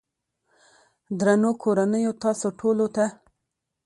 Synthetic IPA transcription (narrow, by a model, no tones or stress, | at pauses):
d̪ɾanokʰoɾanəjot̪ɑsoʈʰolot̪a